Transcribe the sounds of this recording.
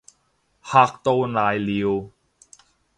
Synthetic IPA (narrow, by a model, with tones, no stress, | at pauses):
haː˧k̚t̪o˧wnaː˨˩jli˨w